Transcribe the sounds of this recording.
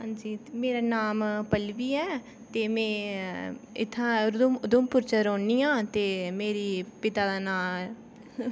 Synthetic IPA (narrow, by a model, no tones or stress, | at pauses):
ɦãːɲd͡ʒiːmeːɾaːnaːmpəlʋiːɛː | t̪eːmɛ̃ː | ɪt̪ʰːãːd̪mʊd̪ʊmpʊɾt͡ʃəɾõːniːjãːt̪eːmeːɾiːpɪt̪aːd̪aːnaːl